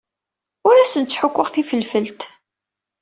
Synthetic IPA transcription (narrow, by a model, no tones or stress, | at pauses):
ʊɾæsənt̪t͡sːħʊkʷːəʁθifəlfəlt̪